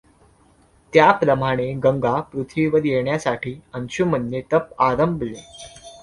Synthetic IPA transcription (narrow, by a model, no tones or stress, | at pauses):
t̪japɾəmaɽ̃eɡəŋɡapɾut̪ʰʋiʋəɾjeɳjasaʈʰiːənɕumənːet̪əp̚aɾəmble